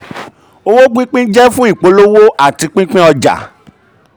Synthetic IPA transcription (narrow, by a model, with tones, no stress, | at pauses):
o˧wo˦ɡ͡bĩ˦k͡pĩ˦d͡ʒɛ˦fũ˦i˦˨k͡po˨˧lo˦wo˦ʔa˦˨ti˧k͡pĩ˦k͡pĩ˦ɔ˧d͡ʒa̰˨